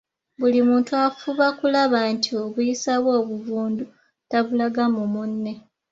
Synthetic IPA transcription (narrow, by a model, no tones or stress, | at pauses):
bulimuːntuafuβakulaβantio̞βujisaβwo̞ːβuvuːndu | taβulaɡamumunːe̞